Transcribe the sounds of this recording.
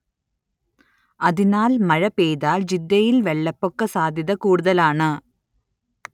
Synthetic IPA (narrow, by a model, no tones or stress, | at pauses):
ɐðɪnaːlmɐɻɐpeːjðaːld͡ʒid̪ːɐjɪlʋɛɭːɐpːokːɐsaːd̪ʱjɐðɐkuːɽʊðɐlaːɳɨ